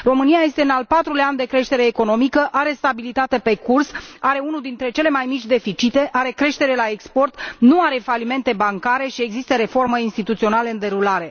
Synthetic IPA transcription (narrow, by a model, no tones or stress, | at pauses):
ro̞mɨniaje̞st̪eɨnalpat̪ɾuleanʲd̪e̞kɾe̞ʃt̪e̞ɾe̞ːko̞no̞mikəʔaɾe̞st̪abilit̪at̪e̞pe̞kursaɾe̞unud̪int̪ɾe̞t͡ʃe̞le̞majmit͡ʃʲd̪e̞fit͡ʃit̪e̞ʔaɾe̞kɾe̞ʃt̪e̞ɾe̞lae̞kspo̞rt̪nuaɾe̞falime̞nt̪e̞baŋkaɾe̞ʃie̞ɡzist̪əɾe̞fo̞rməinst̪it̪ut̪sio̞naləɨnd̪e̞ɾulaɾe̞